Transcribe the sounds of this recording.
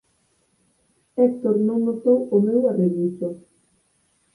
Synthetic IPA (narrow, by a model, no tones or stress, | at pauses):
ɛkt̪oɾnõŋnot̪owomewareɣiso